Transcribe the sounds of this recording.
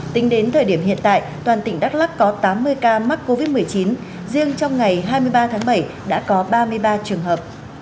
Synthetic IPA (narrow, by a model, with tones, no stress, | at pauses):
t̪ï˨˦ŋ̟ɗe˨˦nt̪ʰəː˨˩ɗi˧˩əmɦḭ˧ənt̪a̰ː˧˨jt̪waː˨˩nt̪ï˧˩ŋ̟ɗa˦˥k̚la˦˥kːɔ˨˦t̪aː˨˦mːɨ˧əjkaː˧ma˦˥t̚ko˧vi˦˥t̚mɨ˨˩əjt͡ɕi˨˦n | zɨ˧əŋt͡ɕɔ˧wŋ͡mŋa˨˩jɦaː˧jmɨ˧əjɓaː˧t̪ʰaː˨˦ŋɓə˧˩j | ɗa̰ː˧˥kɔ˨˦ɓaː˧mɨ˧əjɓaː˧t͡ɕɨ˨˩əŋɦəː˨˩p̚